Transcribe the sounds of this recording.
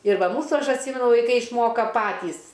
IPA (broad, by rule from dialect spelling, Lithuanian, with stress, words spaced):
ɪr ˈʋɐ ˈmuːsuː ˈɐʃ ɐtʲˈsʲiːmʲɛnʊ ʋɐɪˈkɐɪ ɪʃˈmoːkɐ ˈpɑːtʲiːs